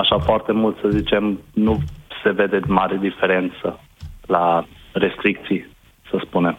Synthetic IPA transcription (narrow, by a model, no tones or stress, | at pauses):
aʃafoart̪e̞mult̪səzit͡ʃe̞mnuse̞ve̞d̪e̞maɾed̪ife̞ɾe̞nt̪sə | lare̞st̪ɾik̚t̪sij | səspune̞m